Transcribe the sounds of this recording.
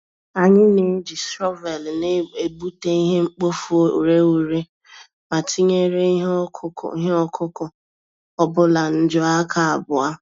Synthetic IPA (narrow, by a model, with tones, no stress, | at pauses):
a˨ɲɪ˦ne˨˦d͡ʒi˨sɾɔ˦ve˨lne˦e˨bu˦te˦i˦ɦe˦ŋ͡m̩˦k͡po˦fu˨ɾe˦u˨ɾe˦ | ma˨tʰi˦ɲe˦ɾḛ˦˨i˦ɦe˦ɔ˦kʰʊ˦kʊ˨ | ɔ˦bʊ˦la˨n̩˦d͡ʒʊ˦a˦kʰa˨a˨bʊ˨a˦